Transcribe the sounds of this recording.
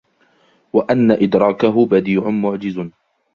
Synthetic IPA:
waʔanːaʔɪd̪ɾˤɑːkaɦʊbad̪iːʕʊnmʊʕd͡ʒɪz

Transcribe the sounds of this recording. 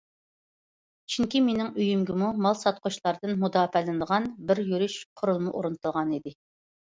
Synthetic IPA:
t͡ʃʰyŋkʲimenɪŋyjymɡʲɪmumɑlˠsɑt̪̚qʰʊʃlˠɑɾd̪ɨnmud̪ɑːpɛlɪnɨd̪əʁɑnbɪɾjyɾyʃqʰʊɾulˠmʊʔoɾɨnt̪ʰɨlˠʁɑnid̪ɪ

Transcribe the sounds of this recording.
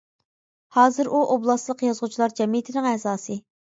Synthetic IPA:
hɑːzɨɾʔuʔoblˠɑslˠəqjɑzʁʊt͡ʃʰilˠɑɾd͡ʒɛmijt̪ʰɪnɪŋɛːzɑːsɨ

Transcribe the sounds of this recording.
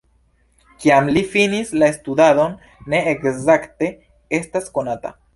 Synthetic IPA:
kiamlifinislaestud̪ado̞nː | e̞ekzakte̞ | e̞stasko̞nata̰

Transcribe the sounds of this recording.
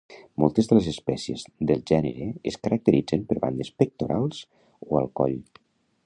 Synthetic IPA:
mɔlˠt̪əzðəlezespɛsiḛzðəlˠʒɛnə̰ɾeeskəɾək̚t̪əɾid͡zəmpəɾβa̰nd̪espək̚t̪oɾʔalˠz̥ | oa̰lˠkɔ̰ʎ

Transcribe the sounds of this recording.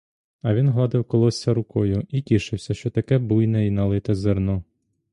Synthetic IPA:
ɐʋʲinɦlˠɑd̪ɪwkɔlˠɔsʲːɐɾʊkɔjʊitʲiʃɪwsʲɐʃt͡ʃɔt̪ɐkɛbujnɛinɐlˠɪt̪ɛzernɔ

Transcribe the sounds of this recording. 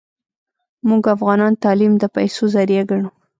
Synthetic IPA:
muɡafɣɑnɑnt̪ɑlimd̪əpajsozaɾijaɡaɳu

